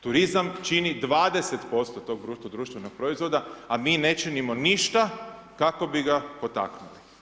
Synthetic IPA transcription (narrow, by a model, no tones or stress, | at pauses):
t̪uɾizamt͡ʃinid̪ʋaːd̪e̞set̪po̞st̪ot̪o̞ːɡ̚d̪ɾuːʃt̪od̪ɾuːʃt̪ʋeno̞ɡ̥̚pɾo̞izʋo̞d̪aamiːne̞t͡ʃenimo̞niʃt̪a | kako̞biɡapo̞t̪a̰knuli̥